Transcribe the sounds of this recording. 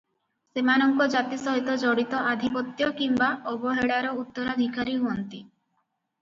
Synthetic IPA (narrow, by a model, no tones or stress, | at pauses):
semanɔŋkɔd͡ʒat̪isɔɦit̪ɔd͡ʒɔɽit̪ɔad̪ʱipɔt̪jɔkimbaʔɔbɔɦeɽaɾɔut̪ːɔɾad̪ʱikaɾiɦuɔnt̪i